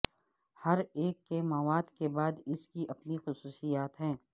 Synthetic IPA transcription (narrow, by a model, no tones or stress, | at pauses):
hɐɾeːkːemɐʋaːd̪kebaːd̪ɪskiʔɐpnixʊsuːsijaːt̪ɦɛ̃ː